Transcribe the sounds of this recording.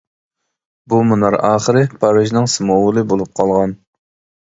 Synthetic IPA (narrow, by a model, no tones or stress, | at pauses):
bumunɑɾɑːχəɾɨpʰɑɾɨʒnɨŋsɨmowʊlˠɨbolˠup̚qʰɑlˠʁɑn